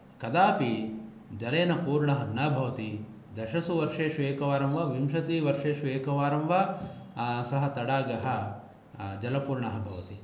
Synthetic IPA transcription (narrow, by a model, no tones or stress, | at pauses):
kɐd̪aːpi | d͡ʒɐleːnɐpuːɾɳɐɦɐnːɐbʱɐʋɐt̪i | d̪ɐʃɐsuʋɐɾʂeːʃueːkɐʋaːɾɐmʋɐʋimʃɐt̪iːʋɐɾʂeːʃueːkɐʋaːɾɐmʋa | sɐɦɐt̪ɐɽaːɡɐɦɐ | d͡ʒɐlɐpuːɾɳɐɦɐbʱɐʋɐt̪i